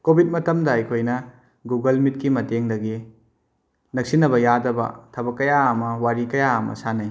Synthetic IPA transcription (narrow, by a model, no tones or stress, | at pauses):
kobʱit̚mɐtɐmdɐɐjkʰojnɐ | ɡuɡɐlmit̚kimɐteŋdɐɡi | nɐk̚sinːɐbɐjadɐbɐ̰tʰɐbɐkːɐjaɐmɐwaɾikɐjaɐmɐ̰sanɐj